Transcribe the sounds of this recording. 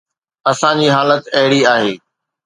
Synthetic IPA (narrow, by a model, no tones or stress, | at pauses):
ɐsãɲd͡ʑiːɦaːlət̪ɐɦɪɽiaːɦeː